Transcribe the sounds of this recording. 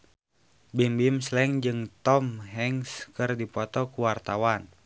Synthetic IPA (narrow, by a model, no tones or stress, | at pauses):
bimbimslɛŋd͡ʒɨŋt̪ɔmɦɛŋskɨrdipɔt̪ɔkuwart̪awan